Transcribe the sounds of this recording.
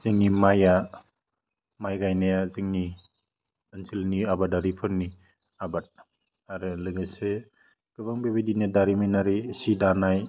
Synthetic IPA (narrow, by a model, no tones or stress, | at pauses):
zɯŋnimaja | majɡajnajazɯŋni | ɯnsʰilniabadaɾipʰɯɾni | abat̚ | aɾɯlɯɡɯse | kɯbaŋbebedinedaɾimijnaɾisidanaj